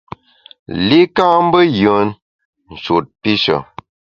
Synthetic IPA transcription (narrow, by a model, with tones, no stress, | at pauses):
li˦ka˦m˦bə˦jə˨˦n | n̩˨ʃo˨t̚pi˦ʃə̰˨